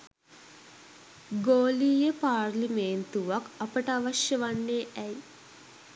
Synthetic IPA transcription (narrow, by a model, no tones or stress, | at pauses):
ɡoːliːjəpaːrlimeːnt̪uʋakɐpəʈəaʋɐʃjəʋanːeːɛj